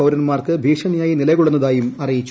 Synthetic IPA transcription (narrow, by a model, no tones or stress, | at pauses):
ɐwɾɐnmaːrkɨbʱiːʂɐɳɐjaːjinilɐɣuɭunːɐðaːjumɐrijit͡ɕː